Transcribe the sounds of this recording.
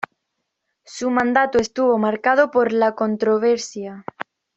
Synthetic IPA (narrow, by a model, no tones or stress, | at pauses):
sumãnd̪at̪oest̪uβomaɾkaðopoɾlakõnt̪ɾoβ̞eɾsja